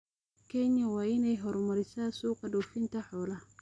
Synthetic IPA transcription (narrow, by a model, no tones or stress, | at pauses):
kʰɛnjɐwɑːɪnɛjɦɔɾmɐɾɪsaːsuːqɐɖɔwfɪnt̪ʰɐħɔːlɐ